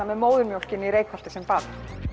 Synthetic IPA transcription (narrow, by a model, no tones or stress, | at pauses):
anːɛðmoːwðʏɾmjowl̥cɪnːiɾejkʰval̥t̪ɪsɛmpaːt̪ɪ̥